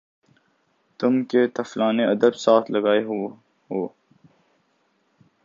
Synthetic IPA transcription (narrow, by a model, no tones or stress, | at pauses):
t̪ʊmket̪ɐflaːneɐd̪əbsaːt̪ʰlɐɡaːeɦ | ɦoː